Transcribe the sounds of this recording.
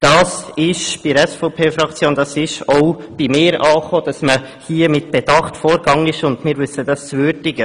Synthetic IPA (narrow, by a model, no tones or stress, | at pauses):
d̥ɑːsɪʃb̥iɾɛsfoʊpʰeːfɾɑkt͡sjoːnd̥ɑsɪʃɔʊb̥imɪːɾɑːχoːd̥ɑsmə | hiːəmɪt̚b̥ɛd̥ɑχtfoːɾɡɑŋənɪʃʊndmɪːɾʋʏsːəd̥ɑst͡svʏɾdɪɡə